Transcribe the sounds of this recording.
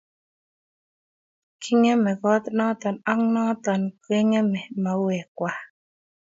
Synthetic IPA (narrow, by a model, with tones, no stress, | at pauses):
kʰi˦ŋɛ˦mɛ˨ɣɔ˨˦t̪nɔ˦t̪ɔ˨na˦ŋnɔ˦t̪ɔ˨nke˦ŋɛ˦mɛ˨ma˨wɛ˨kwa˨